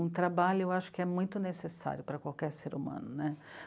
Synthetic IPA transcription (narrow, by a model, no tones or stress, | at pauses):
ũt̪ɾabaʎʊewaʃʊ̥kɪɛmũj̃t̪ʊnesesa̰ɾjʊpɾɐkwawkɛɾseɾumɐ̰̃nʊnɛ